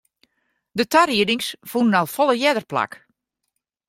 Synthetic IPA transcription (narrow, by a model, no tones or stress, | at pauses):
dətariədɪŋsfunənalˠfɔlˠəjɛdərpla̰k